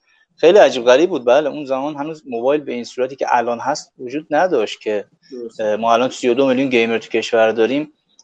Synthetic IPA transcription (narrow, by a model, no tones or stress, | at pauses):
xejliæd͡ʒiːbɣæɾiːb̚uːd̪̚bæleʔunzæmɒːnɦænuːzmobɒːjlbe̞insuːɾæt̪ʰiːcʰḛʔælɒːnɦæst̪vod͡ʒuːd̪̚næd̪ɒʃt̪cʲʰe̞ | mɒːælɒːnsijod̪omeljunɟe̞jmeɾt̪ʰu̥cʲʰe̞ʃvæɾd̪ɒːɾim